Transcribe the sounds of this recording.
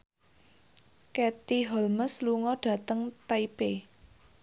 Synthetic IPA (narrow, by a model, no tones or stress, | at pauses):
kɛt̪iɦɔlməsluŋɔɖ̥ä̤t̪əŋt̪aipe